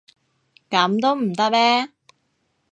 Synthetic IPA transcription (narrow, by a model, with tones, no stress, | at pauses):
kɐ˨˥mt̪o˥wm̩˨˩t̪ɐ˥k̚mɛː˥